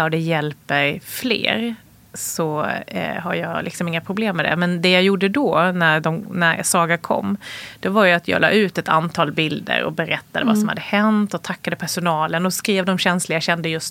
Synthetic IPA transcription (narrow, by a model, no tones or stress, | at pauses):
ɔd̪ɛjɛlpɛɾflḛːɾ | sɔ | ɦajɑːlɪksɔmɪŋːapʰɾʊbleːmːɛd̪ɛ̰mɛnd̪ɛjɑjuɖːəd̪ɔnæɾɖɔmnæɾsɑːɡaɾkʰɔ̰mːd̪̥ɛvaɾjɵat̪jɑ̰ːlɑ̰ːʉ̟ːt̪ɛt̪a̰nt̪ʰɑːlbɪld̪ə̰ɾɔ̰bɛɾɛt̪ːad̪əva̰sɔmha̰d̪ːəhɛnt̪ɔt̪ʰakːad̪əpʰæʂʊnɑːlənɔskɾiːvd̪ɔmɕɛnslɪɡaɕɛnd̪əjɵst̪